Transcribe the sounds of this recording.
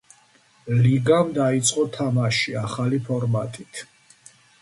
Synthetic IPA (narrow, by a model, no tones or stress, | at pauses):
liɡamd̪ait̪sʼqʼɔt̪ʰamaʃiaχalipʰɔɾmat̪ʼit̪ʰ